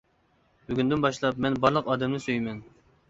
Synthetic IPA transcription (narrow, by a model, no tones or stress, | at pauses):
byɡʲynd̪ynbɑʃlˠɑp̚mɛnbɑɾlˠəqɑːd̪ɛmnɨsøjmɛn